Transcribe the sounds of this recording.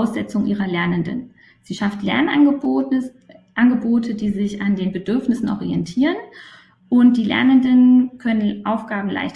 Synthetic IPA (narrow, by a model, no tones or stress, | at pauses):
ʊsz̥ɛt͡sʊŋʔiːʁɐlɛɐnəndə̰n | z̥iːʃaftlɛ̰ɐn | ʔanɡəboːtʰədiːzɪçandeːnbədʏɐfnɪsn̩ʔɔ̰ʁiɛntʰiːʁən | ʔʊnt̚d̥iːlɛ̰ɐnəndənnkʰœnənʔaʊfɡ̥aːbm̩lʔa̰ɪçt